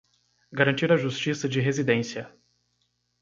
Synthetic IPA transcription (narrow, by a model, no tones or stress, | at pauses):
ɡaɾɐ̃nt͡ʃiɾɐʒust͡ʃisɐd͡ʒɪɦezid̪ẽsiɐ